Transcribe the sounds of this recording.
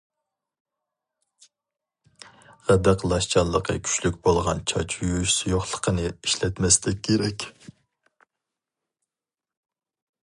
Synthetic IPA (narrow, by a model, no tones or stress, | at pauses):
ʁæd̪æqlˠɑʃt͡ʃʰɑnlːˠəqʰə̰kʲʰy̥t͡ʃlykʲbolˠʁɑnt͡ʃʰɑ̰t͡ʃʰjuʃsojoχlˠə̥qʰənɨiʃlɛt̪mɛst̪ʰɛkʲʰːeɾɛkʲ